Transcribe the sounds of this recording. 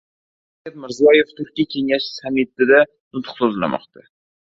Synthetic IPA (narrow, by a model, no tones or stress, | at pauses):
akʲat̪̚mɪɾzijɒjeft̪ʰʊɾkʲːiakʲʰeŋaʃsamet̪ːɪd̪a | nʊt̪qsozla̰mɒ̰qt̪ʰa